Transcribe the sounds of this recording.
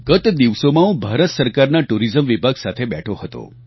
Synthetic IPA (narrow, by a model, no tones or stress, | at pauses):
ɡət̪d̪iʋsomãũbʱaɾət̪səɾkaɾnaʈuɾizəmʋibʱaɡsat̪ʰebɛʈʰohət̪o̰